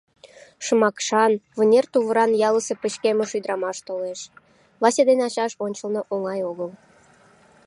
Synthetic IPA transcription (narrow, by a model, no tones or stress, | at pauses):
ʃəmɑkʃɑnvənʲert̪uβəɾɑnjɑləsepət͡ɕkeməʃud̪əɾɑmɑʃt̪oleʃ | vɑsʲed̪enɑɕɑʃonʲt͡ɕəlnoʔoŋɑjoɣəl